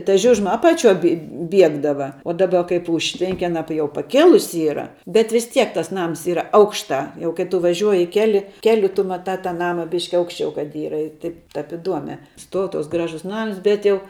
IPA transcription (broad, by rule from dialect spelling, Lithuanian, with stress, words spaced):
tɐ ˈʒʲʊʒmɐ ˈɑːpɐˌt͡ʃʲuɔj bʲɪ ˈbʲiɛɡdɐʋɐ oː ˈdɑːbɐ kɐɪp ˈʊʃʲtʲʋʲɛŋʲkʲɪ ɐˈnɐ jɛʊ pɐˈkʲeːlˠʊsʲɪ ˈiːrɐ bʲɛt ʋʲɪs ˈtʲiɛk ˈtɐs ˈnɐms ˈiːrɐ ˈɐʊkʃtɑː jɛʊ kɐɪ ˈtʊ ʋɐˈʒʲuɔjɪ ˈkʲæːlʲɪ ˈkʲæːlʲʊ tʊ mɐˈtɑː tɑː ˈnɑːmɐ ˈbʲɪʃʲkʲɪ ˈɐʊkʃʲt͡ʃʲɛʊ kɐt ˈiːrɐ ɪr ˈtɐɪp tɐp ɪˈduɔmʲɛ ˈstuɔʊ ˈtuɔks ˈɡrɑːʒʊs ˈnɐms ˈbʲɛt jɛʊ